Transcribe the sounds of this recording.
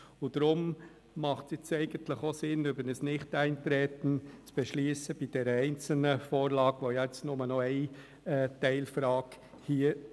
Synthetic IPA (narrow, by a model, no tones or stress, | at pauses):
ʊd̪̥ɾʊm | mɑχtɛt͡sɛɪɡ̥ən̩tləχosɪnʏbənəsnɪχtæɪntɾɛːt̪n̩t͡sb̥ɛʃlyːsəb̥id̥ɛɾəɛɪnt͡sl̩nəfoːɾlɑːɡ̥ʋojɛɛt͡snʊmənɔɛɪ | ɛːtɛɪlfɾɑːk | hiːə